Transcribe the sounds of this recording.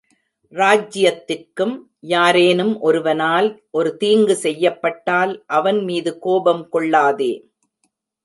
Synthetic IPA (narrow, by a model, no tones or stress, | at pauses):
ɾaːd͡ʒɪjɐt̪ːɪrkɯm | jaːɾeːnɯmʔɔɾɯʋɐnaːlʔɔɾɯt̪iːŋɡɯsɛjːɐpːɐʈːaːlʔɐʋɐnmiːðɯkoːbɐmkɔɭːaːðeː